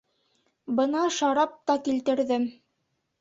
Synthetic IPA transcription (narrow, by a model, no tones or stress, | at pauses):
bɤnɑʃɑɾɑp̚t̪ɑkilt̪ɘ̆ɾðɘm